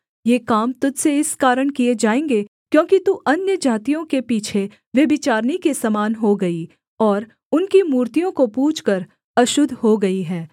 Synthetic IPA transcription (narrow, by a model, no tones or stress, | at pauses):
jeːkaːmt̪ʊd͡ʒseɪskaːɾəɽ̃kied͡ʒaːẽːŋɡe | kjõːkit̪uʔɐnjəd͡ʒʱaːt̪ijõkepiːt͡ʃʰe | ʋjɐbɪt͡ʃaːɾnikesɐmaːnɦoɡɐi | ɔːɾ | ʊnkimuːɾt̪ijõkopuːt͡ʃʰkəɾ | ɐʃʊd̪ʱɦoɡɐiɦɛː